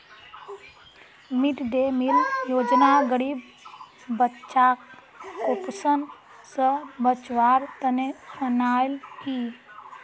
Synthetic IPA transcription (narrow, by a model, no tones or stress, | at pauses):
miʈd̪emiljoːd͡ʒnaɡəɽibː | ətːʃakː | opsən | səbət͡ʃʋaɾt̪ənesunalki